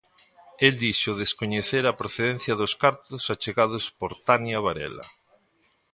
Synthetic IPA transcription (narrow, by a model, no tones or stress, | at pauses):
eld̪iʃoðeskoɲeθeɾapɾoθeðen̟θjaðoskaɾt̪osat͡ʃeɣað̞ospoɾt̪anjaβ̞aɾɛ̰la̰